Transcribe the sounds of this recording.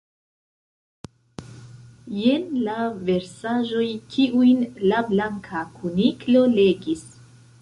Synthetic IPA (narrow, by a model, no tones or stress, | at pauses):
jenlave̞ɾsaʒo̞jkʰiʔujnlablaŋkʰakʰuniklo̞le̞ɡis